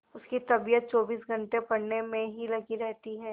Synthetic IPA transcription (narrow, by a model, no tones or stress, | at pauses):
ʊskit̪ɐbijət̪̚t͡ʃɔːbiːsɡʱɐ̃ɳʈepɐɽnemẽɦilɐɡiɾɛɦt̪iɦɛː